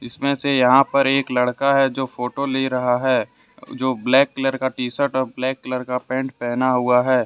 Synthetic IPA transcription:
ɪsmẽsejɐɦãpɐɾeːklɐɽkaɦɛd͡ʒoːfoːʈoleːɾɐɦaɦɛː | d͡ʒoːblɛːkːɪləɾkaʈiːsəʈɔːɾblɛːkːləɾkapɛ̃ːɳʈ̚pɛɦnaɦuaɦɛː

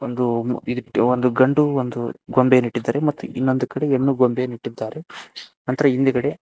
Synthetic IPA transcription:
ond̪uid̪iʈːond̪uɡɐɳɖuond̪uɡombeniʈːid̪ːaːɾe̞mɐt̪ːṵinːo̞nd̪ukɐɽe̞enːuɡombeniʈːid̪ːaːɾe̞nɐnt̪ɐɾɐind̪ekɐɽe̞

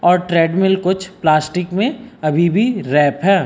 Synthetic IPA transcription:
ɔːɾʈɾɛːɖmɪlkʊt͡ʃʰplaːsʈɪkmẽɐbʱibʱiɾɛːpɦɛː

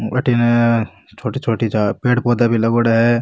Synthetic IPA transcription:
ɐ̰ʈine | t͡ʃʰoːʈit͡ʃʰoːʈid͡ʒaːpeːɽpoːd̪abʱilɐɡoːɽaɦɛ

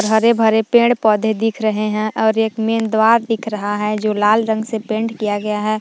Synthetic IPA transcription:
ɾɦɐɾebʱɐɾepẽːɳɖpɔːd̪ʱed̪ɪkʰɾəɦeɦɛ̃ʔɔːɾeːkmeːnd̪waːɾd̪ɪkʰɾɐɦaɦɛd͡ʒoːlaːlɾə̃ŋɡsepẽːɳɖkijaɡɐjaɦɛː

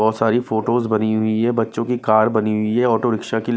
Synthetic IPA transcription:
ɔːt̪saːɾifoːʈoːzbɐniɦʊiɦɛbɐtːʃõkikaːɾbɐniɦʊiɦɛɔːʈoɾɪkʃaki

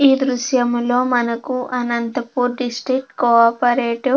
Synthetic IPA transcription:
iːd̪ɾuʃjɐmlo̞ːmɐnɐkuʔɐnɐnt̪ɐpuːɾɖisʈɾik̚ʈkoaːpɐɾeːʈi

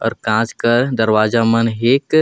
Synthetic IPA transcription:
ɔ̰ːɾkãːd͡ʒkəɾd̪əɾwaːd͡ʒamənɦeːk

